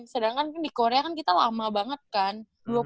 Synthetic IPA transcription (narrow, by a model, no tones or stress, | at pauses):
sədaŋkankandikoɾeakankit̪alamabaŋət̪̚kan | dua